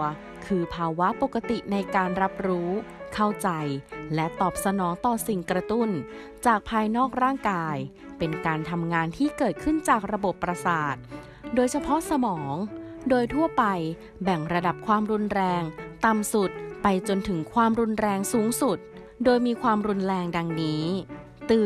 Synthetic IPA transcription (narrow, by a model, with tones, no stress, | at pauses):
kʰɯː˧pʰaː˧wa˦˥po˨˩kːa˧t̪i˨˩na˧jkaː˧nɾa˦˥p̚ɾuː˦˥kʰa˥˩wt͡ɕa˧jlɛ˦˥ʔt̪ɔː˨˩p̚sa˧nɔː˩˦ŋt̪ɔː˨˩si˨˩ŋkɾa˧t̪u˥˩n | t͡ɕaː˨˩k̚pʰaː˧jnɔː˥˩k̚ɾaː˥˩ŋkaː˧j | pe˧nkaː˧nt̪ʰa˧mŋaː˧nt̪ʰiː˥˩kɤː˨˩t̪̚kʰɯ˥˩nt͡ɕaː˨˩k̚ɾa˧bo˨˩pːɾa˧saː˨˩t̪̚ | doː˧jt͡ɕʰa˧pʰɔ˦˥ʔsa˧mɔː˩˦ŋdoː˧jt̪ʰu˥˩ɐpa˧j | bɛ˨˩ŋɾa˧da˨˩p̚kʰwaː˧mɾu˧nɾɛː˧ŋt̪a˨˩msu˨˩t̪̚pa˧jt͡ɕo˧nt̪ʰɯ˩˦ŋkʰwaː˧mɾu˧nɾɛː˧ŋsuː˩˦ŋsu˨˩t̪̚ | doː˧jmiː˧kʰwaː˧mɾu˧nɾɛː˧ŋda˧ŋniː˦˥ | t̪ɯː˨˩